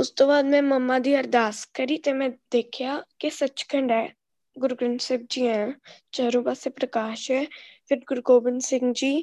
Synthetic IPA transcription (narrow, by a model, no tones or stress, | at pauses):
ʊst̪õːbaːd̪mɛ̃ːməmːaːd̪iːəɾd̪aːskəɾiːt̪eːmɛ̃d̪eːkʰjaːkesət͡ʃkʰəɳɖɛː | ɡʊɾɡɾəɳseːb̚d͡ʒiːɛ̃t͡ʃəɦɾũːbaːsepɾəkaːʃɦɛːfʰɪɾɡʊɾɡoːbɪnsɪ̃ŋɡd͡ʒiː